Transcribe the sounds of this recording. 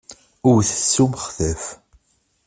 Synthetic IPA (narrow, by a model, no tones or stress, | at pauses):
ʊɾθə̥sːuməχθəf